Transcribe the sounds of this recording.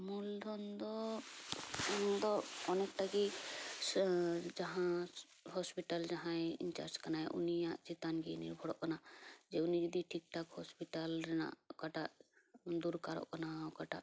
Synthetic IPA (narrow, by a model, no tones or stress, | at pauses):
muld̪ɔnd̪ɔ | nd̪ɔɔnɛk̚ʈaki | d͡ʒaɦã | hɔspiʈald͡ʒaɦãjḭnt͡ʃa̰ɾd͡ʒkanajʔṵnijaʔt͡ʃit̪anɡinḭɾbʱɔɽɔʔkanad͡ʒeunid͡ʒɔd̪iʈʰik̚ʈakhɔspiʈalɾɛna̰ʔkaʈaʔ | d̪uɾkaɾɔ̰ʔkanawkaʈa̰ʔ